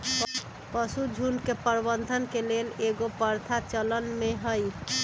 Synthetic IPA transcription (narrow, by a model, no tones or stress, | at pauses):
pəsud͡ʒʱunkepəɾbənd̪ʱənkeleleɡopəɾt̪ʰat͡ʃələnmeɦəj